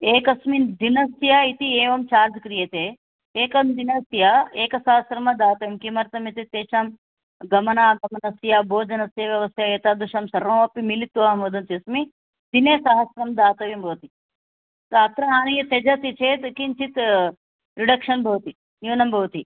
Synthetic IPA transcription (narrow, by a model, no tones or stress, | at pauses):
eːkɐsmid̪inɐsjait̪ieːʋɐmt͡ʃaːɾd͡ʒkɾijet̪eː | eːkɐmd̪inɐsjɐeːkɐsaɦɐsɾɐmɐd̪aːt̪ɐʋimkimɐɾt̪ɐmɐt̪it̪eːʃɐm | ɡɐmɐnaːɡɐmɐnɐsjaboːd͡ʒɐnɐsjɐʋjɐʋɐsjaet̪ad̪uʃɐmsɐɾʋɐːɐpːimilit̪ːuʋaːmod̪ɐnt̪iɐsmi | d̪̥ineːsɐɦɐsɾɐmd̪aːt̪ɐʋimbʱɐʋt̪i | t̪aːt̪ɾɐaːnɐjɐt̪ed͡ʒɐt̪it͡ʃʰeːt̪kint͡ʃit̪ | ɾiɖɐkʂɐnbʱɐʋt̪i | juːnɐmbʱɐʋt̪i